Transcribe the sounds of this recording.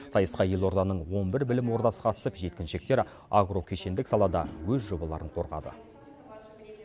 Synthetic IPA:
sɑjəsqɑjelˠo̞ɾd̪ɑnəɴwo̞nbɪɾbɪlɪmwo̞ɾd̪ɑsə̥qʰɑt̪ə̥səpʒe̞t̪kʲɪnʃe̞k̚t̪e̞ɾ | aɡro̞kʲʰeʃe̞nd̪ɪksɑlˠɑd̪ɑ̰wɵzʒo̞bɑlˠɑ̰ɾəɴqʰo̞ɾʁɑ̰d̪ə̰

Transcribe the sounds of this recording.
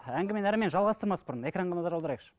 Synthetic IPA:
æŋɡʲɪmenæɾɪme̞nʒɑlˠʁɑst̪əɾmɑsbʊɾəne̞krɑɴʁɑnɑzɑɾolˠd̪ɾɑjeqʃ

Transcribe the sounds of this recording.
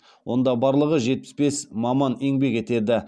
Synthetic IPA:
wʔo̞̰nd̪ɑbɑɾlˠəʁəʒe̞t̪̚pɪ̥sbe̞smɑmɑneŋbe̞ke̞t̪e̞d̪ɪ

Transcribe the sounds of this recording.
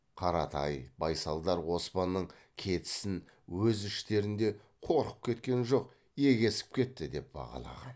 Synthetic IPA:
qʰɑɾɑt̪ʰɑjbɑjsɑlˠd̪ɑɾwo̞spɑnːəɴ | kʲʰe̞t̪ɪ̥sɪn | wɵzɪʃt̪e̞ɾɪnd̪e̞ | qʰo̞ɾqəp̚kʲe̞t̪kʲe̞nʒo̞q | je̞ɡʲe̞sɪ̥p̚kʲe̞t̪ːɪd̪e̞p̚bɑ̰ʁɑ̰lˠɑ̰ʁɑ̰n

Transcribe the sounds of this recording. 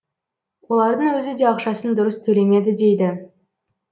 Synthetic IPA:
wo̞lˠɑɾd̪əɴwɵzɪd̪e̞ɑqʃɑsənd̪ʊɾəst̪ʰɵle̞me̞d̪ɪd̪e̞jd̪ɪ

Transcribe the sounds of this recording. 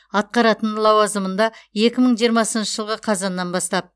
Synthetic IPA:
ɑt̪̚qɑɾɑt̪ənlˠɑwɑzəmənd̪ɑje̞kʲɪməɴʒijəɾmɑsənʃəʒəlˠʁəqʰɑzɑnːɑnbɑst̪ɑp̚

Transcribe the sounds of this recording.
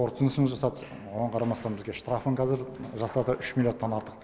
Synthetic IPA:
oɾt̪ənəsmzʒɑsɑt̪ | wonəɴqʰɑɾɑmɑst̪ɑnbɪzɡʲe̞ʃt̪ɾafəɴqʰɑzɪɾʒɑsɑd̪əʔʏʃmʲilʲjoot̪ːɑnɑɾt̪ə̥q

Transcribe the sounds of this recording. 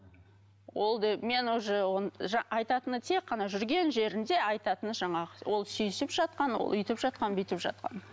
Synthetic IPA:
wo̞lˠd̪eme̞nwozəwonʒɑɑjt̪ɑt̪ənət̪ʰe̞kqːɑnɑʒʏɾɡʲe̞nʒe̞ɾɪnd̪e̞ɑjt̪ɑt̪ənəʒɑɴɑʁəwo̞lˠsyjsɪpʒɑt̪̚qɑnwo̰lˠʏjt̪ɪpʒɑt̪̚qɑnbɪt̪ɪpʒɑ̰t̪̚qɑ̰n

